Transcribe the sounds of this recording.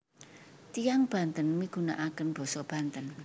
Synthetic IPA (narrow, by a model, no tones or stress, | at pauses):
t̪ijaŋb̥a̤nt̪ənmiɡ̥ṳna̰ʔakənb̥ɔ̤sɔb̥a̤nt̪ən